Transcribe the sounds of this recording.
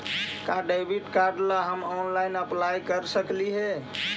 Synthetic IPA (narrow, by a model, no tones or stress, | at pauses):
kaɖajbʱiʈkaɾɖlaɦəmɔnlajnəplajkəɾsəkliɦɛ